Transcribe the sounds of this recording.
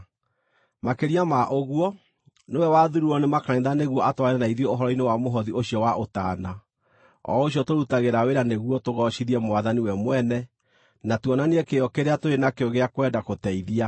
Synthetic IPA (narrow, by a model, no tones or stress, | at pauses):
makeɾiamaʔoɣuɔ | newɛwaðuɾuɔnemakanẽðaneɣwɔatwaeɛnaiðjɔoɦɔɾɔinewamoɦɔðioɕiɔwaʔotana | ɔ̰oɕiɔtoɾutaɣeɾaweɾaneɣwɔtoɣɔʃiðiɛmoaðaniwɛmwɛnɛ | natwɔnaneɛkeɔkeɾeatoɾenakeoɣeakowɛdakotɛiðia